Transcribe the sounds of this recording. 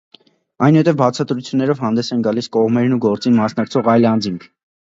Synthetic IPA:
ɑjnuhɛt̪ɛvbɑt͡sʰɑt̪ɾut͡sʰjunːɛɾɔvɦɑnd̪ɛsɛnɡɑliskɔʁmɛɾnuɡɔɾt͡sinmɑsnɑkt͡sʰɔʁɑjlɑnd͡ziŋkʰ

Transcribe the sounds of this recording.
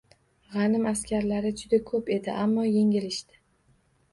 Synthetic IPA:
ʁɑnɪmaskʲaɾlaɾɪd͡ʒʊd̪akʰɵpe̞d̪ɪʔamːɒje̞ŋɪlɪʃt̪ɪ̥

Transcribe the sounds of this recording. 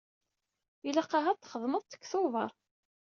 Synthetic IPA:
ilaqːɑɦat̪ːχəðˤməðˤt̪ə̥kːθʊvə̰ɾˤ

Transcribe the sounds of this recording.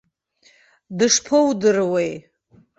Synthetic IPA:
dɨʂpʰowdɨrwej

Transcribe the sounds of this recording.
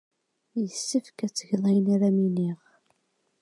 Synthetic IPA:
jəsːəfkæt͡sːəʝðˤejənaɾæminiʁ

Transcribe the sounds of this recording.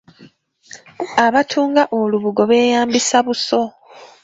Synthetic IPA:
aβatʰuːŋɡaʔoluβuɡo̞βe̞ːjaːmbisaβuso̞

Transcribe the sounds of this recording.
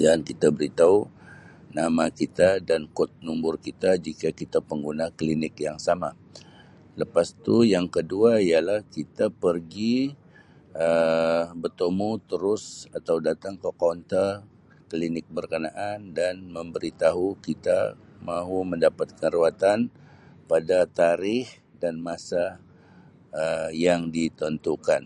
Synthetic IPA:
dankit̪abəɾit̪au | namakit̪adankʊt̪̚numbʊrkit̪ad͡ʒikakit̪apəŋɡunaklinɪkjaŋsama | ləpast̪ujaŋkəduaialahkit̪apərɡi | əbət̪omut̪əɾʊsat̪awdat̪aŋkəkɔnt̪ə | klinɪk̚bərkənaʔandanməmbəɾit̪aɦukit̪a̰ | maɦuməndapat̪̚kəɾuat̪an | padat̪aɾɪh | danmasa | əjaŋdit̪ɔnt̪ukan

